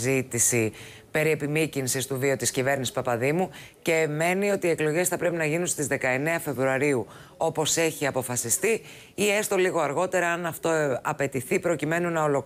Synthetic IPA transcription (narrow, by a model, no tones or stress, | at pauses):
zit̪isi | pe̞ɾie̞pimicinsist̪uvio̞t̪iscive̞ɾnisi̥spɐpɐðimu | ce̞ːme̞nio̞t̪iːe̞klo̞ʝe̞sθɐpɾe̞pinɐʝinunst̪izðe̞kɐe̞ne̞ɐfe̞vɾuɐɾiu | o̞po̞se̞çiɐpo̞fɐsist̪i | iest̪o̞liɣo̞ɐɾɣo̞t̪e̞ɾɐɐnɐft̪o̞ɐpe̞t̪iθipɾo̞cime̞nunɐolo̞k